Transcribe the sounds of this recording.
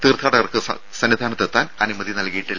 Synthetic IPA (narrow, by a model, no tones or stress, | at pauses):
t̪iːrt̪ʰaːɽɐɣɐrkɨɐ̰ | sɐnːid̪ʱaːnɐt̪ːet̪ːaːnɐnimɐðinɐlkɐjiʈːi